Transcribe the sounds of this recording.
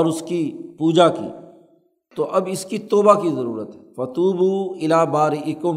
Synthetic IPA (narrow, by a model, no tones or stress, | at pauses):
ɔːɾʊskipuːd͡ʒakḭː | t̪oʔɐbɪskit̪oːbakizɐɾṵːɾət̪ɦɛfɐt̪uːbuːɪlaːbaːɾɪʔɪkʊ